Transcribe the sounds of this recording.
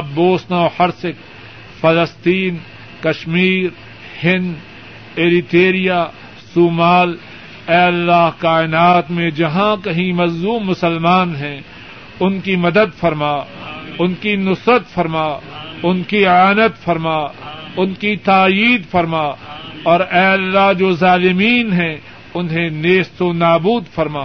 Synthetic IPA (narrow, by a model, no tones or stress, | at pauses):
ɐboːsnaɔhɐɾsɪk | fɐləst̪iːn | kɐʃmiːɾ | hɪnd̪ | eːɾɪt̪eːɾija | suːmaːl | ɛːɐlːaːɦkaːɪnaːt̪mẽd͡ʒɐɦãkɐɦĩmɐzuːmːʊsəlmaːnɦɛ̃ | ʊnkimɐd̪əd̪fɐɾmaːʊnkinʊsɾət̪fɐɾmaːʊnkiaːnət̪fɐɾmaːʊnkit̪aːjiːd̪fɐɾmaːɔːɾɛːɐlːaɦd͡ʒoːzaːlɪmiːnɦɛ̃ | ʊnɦẽneːst̪onaːbuːd̪fɐɾmaː